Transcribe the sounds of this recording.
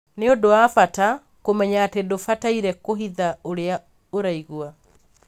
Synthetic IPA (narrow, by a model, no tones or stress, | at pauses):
neodowafata | komɛɲaːtedofataiɾɛkoɦiðaoɾea | oɾaiɣwa